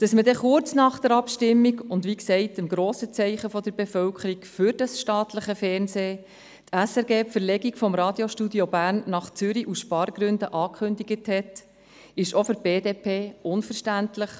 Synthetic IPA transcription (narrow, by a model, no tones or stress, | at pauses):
d̥ɑsmədɛχʊt͡snɑːχd̥̪əɾɑpʃtɪmːiɡʊndʋiksɛɪtɪmɡɾoːsət͡sɛɪχəfɔd̥̪əɾbefœwkʰəɾikfʏɾd̥ɑsʃtɑːtləχəfɛːɾnseː | t̪ʰæsɛɾɡeːpfəɾlɛɡikfɔmɾɑːd̥̪jɔʃtudiɔbæːɾnːɑχt͡sʏɾiʔusʃpɑːɾɡɾʏndəʔɑːkʰχʏndiɡəthɛt | ɪʃɔfʏɾb̥eːdeːpʰeːʊnfəɾʃtæntləχ